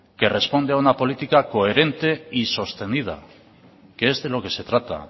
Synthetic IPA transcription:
ke̞re̞spo̞nd̪eaunapo̞lit̪ikako̞e̞ɾe̞nt̪e̞iso̞st̪e̞nið̞a̰ | keezðe̞lo̞ke̞se̞t̪ɾat̪a̰

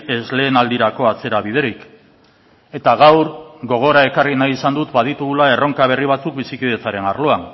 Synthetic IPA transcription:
e̞zle̞ːnald̪iɾako̞at͡se̞ɾaβ̞ið̞e̞ɾik | e̞t̪aɣawɾɣo̞ɣ̞o̞ɾae̞karinajisand̪ut̪bað̞it̪uɣulae̞ro̞ŋkaβ̞e̞riβat͡suk̚bisikiðe̞t͡saɾe̞narlo̞an

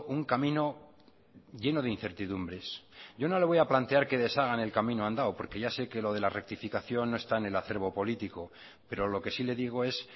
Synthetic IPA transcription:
uŋkamĩno̞ | ʝe̞no̞ð̞einθe̞ɾt̪iðumbɾe̞sʝono̞le̞β̞o̞japlant̪e̞aɾke̞ðe̞saɣ̞ane̞lkamĩnoand̪awpo̞ɾke̞ʝase̞ke̞lo̞ð̞e̞larek̚t̪ifikaθjo̞nːoe̞st̪aene̞laθe̞ɾβo̞po̞lit̪iko̞ | pe̞ɾo̞lo̞ke̞sile̞ðiɣ̞o̞e̞s

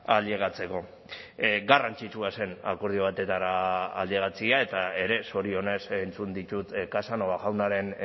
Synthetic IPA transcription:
alieɣ̞at͡se̞ko̞ | ɡarant͡ʃit͡ʃuase̞na̰koɾð̞io̞β̞at̪e̞t̪aɾa̰ːld̪ieɣ̞at͡siae̞t̪ae̞ɾe̞so̞ɾio̞ne̞sent͡sund̪it̪ut̪kasanoɣaʝawnaɾe̞n

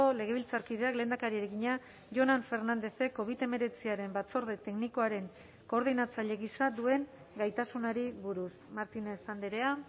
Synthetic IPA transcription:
ole̞ɣ̞e̞βilt͡saɾkið̞eakleːnd̪akaɾieɾeɣiɲa | ʝo̞naɱfe̞ɾnand̪e̞se̞kːo̞βit̪eme̞ɾe̞t͡siaɾe̞mbat͡so̞ɾðe̞t̪e̞kniko̞aɾe̞ŋ | ko̞ːɾð̞inat͡saʎe̞ɣisad̪ue̞ŋ | ɡajt̪asunaɾiβuɾusmaɾt̪ine̞sand̪eɾe̞a

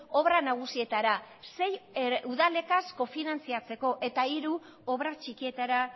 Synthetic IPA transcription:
o̞βɾanaɣ̞usie̞t̪aɾase̞juðale̞kasko̞finant͡siat͡se̞ko̞ʔe̞t̪aiɾu | o̞βɾat͡ʃikie̞t̪aɾa

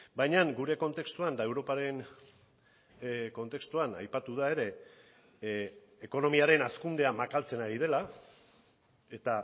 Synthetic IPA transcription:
bajɲaŋɡuɾe̞ko̞nt̪e̞kst̪uand̪ae̞wɾo̞paɾe̞n | ko̞nt̪e̞kst̪uana̰jpat̪uð̞ae̞ɾe̞ | ko̞no̞miaɾe̞naskund̪e̞amakalt͡se̞naɾið̞e̞la | e̞t̪a

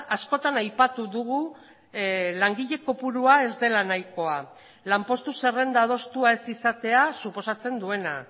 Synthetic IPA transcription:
asko̞t̪anajpat̪uðuɣ̞u | laŋɡiʎe̞ko̞puɾuae̞zd̪e̞lanajko̞a | lampo̞st̪use̞re̞nd̪að̞o̞st̪uae̞sisat̪e̞asupo̞sat͡se̞nd̪ue̞na

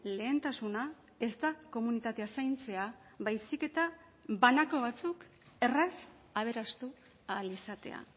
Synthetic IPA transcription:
le̞ːnt̪asuna | e̞st̪ako̞munit̪at̪e̞asajnt͡se̞a | βajsike̞t̪a | banako̞βat͡suk | e̞ras | aβ̞e̞ɾast̪u | alisat̪e̞̰a̰

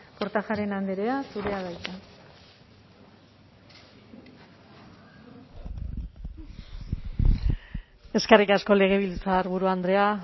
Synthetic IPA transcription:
po̞ɾt̪axaɾe̞nand̪eɾe̞asuɾe̞aɣajt̪a | e̞skerikasko̞le̞ɣ̞e̞β̞ilt͡saɾβuɾuand̪ɾe̞a

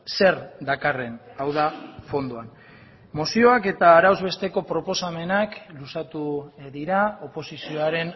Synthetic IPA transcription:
se̞ɾd̪akare̞nawðafo̞nd̪oan | mosio̞ake̞t̪aːɾawzβe̞st̪e̞ko̞pɾo̞po̞same̞naklusat̪uðiɾao̞po̞sisioaɾe̞n

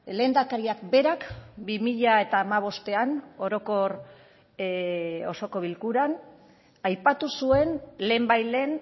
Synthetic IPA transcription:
le̞ːnd̪akaɾiakbe̞ɾakbimiʎae̞t̪aːmaβ̞o̞st̪e̞ano̞ɾo̞ko̞ɾ | o̞̰so̞ko̞βilkuɾan | ajpat̪usue̞nle̞ːmbajle̞ːn

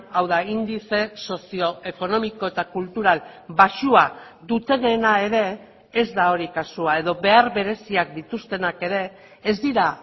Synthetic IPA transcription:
awðaind̪ise̞so̞sio̞e̞ko̞no̞miko̞e̞t̪akult̪uɾalbaʃua | ðut̪e̞ne̞nae̞ɾe̞ː | zd̪ao̞ɾikasuae̞ðo̞βe̞aɾβe̞ɾe̞siakd̪it̪ust̪e̞nake̞ɾe̞ː | zd̪iɾa

